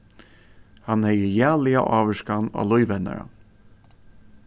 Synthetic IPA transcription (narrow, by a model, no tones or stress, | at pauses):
hanhɛjəjæːlɪaʔɑːʋəʂkana̰ːlʊjvɛna̰ɾa̰